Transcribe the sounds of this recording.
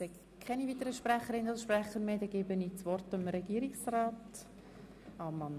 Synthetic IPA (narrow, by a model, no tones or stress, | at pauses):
sɛɡ | kʰːɛniviːtəɾəʃpɾæχəɾɪnəɑlsʃpræχəɾmeːd̪ɛɡ̥eːbənit͡svɔrtəmɾɛɡ̥iːəɾiksraːt | ɑmɑn